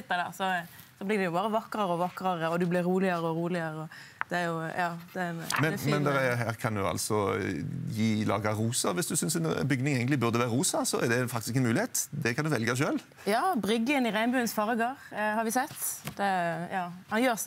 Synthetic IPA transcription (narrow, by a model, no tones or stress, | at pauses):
t̪ːəd̪ɛʁsɔsɔblɪːʁd̪ɛjʊbɑːɾəʋɑkɾɑɾɔʋɑkːɾɑʁəɔd̪ʉblɪɾːuːlɪəɾəɔɾuːlɪəɾəɔd̪̥ɛæɾjʊjɑːd̪̥ɛmɛmɛnd̪ɛʁɦæːʁkʰɑnd̪ʉɑ̰lsɔ | jiːlɑ̰ːɡəʁuːsəʋɪsd̪ʉsʏnsɛnbʏɡnɪŋɛːɡnɪbʉʁd̪əʋæːɾəɾuːsɑsɔɛ̰ʁd̪ɛfɑkt̪ɪskɛnmʉːlɪeːt̪d̪ɛkʰɑnd̪ʉʋɛlɡɑʃøːl | jɑːbʁʏɡənɪɾæɪnbʉːənsfɑʁɡɑʁhɑɾʋɪsɛt̪ːd̪̥ɛjɑːhɑnjøːʁs